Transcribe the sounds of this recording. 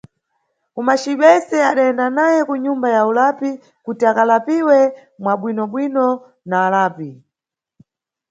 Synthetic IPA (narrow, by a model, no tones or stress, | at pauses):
umaʃiɓɛsɛaɗaɛndanajɛkuɲumbajaulapi | kutiakalapiwɛmwaɓwinɔɓwinɔ | naːlaːpi